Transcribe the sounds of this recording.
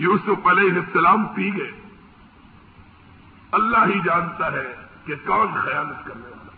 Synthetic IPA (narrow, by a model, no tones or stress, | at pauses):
juːsʊfɐlɛːɦɪsɐlaːmp̪iːɡeː | ɐlːaɦid͡ʒaːnt̪aɦɛkekɔːnxɐjaːlət̪kɐɾneoaː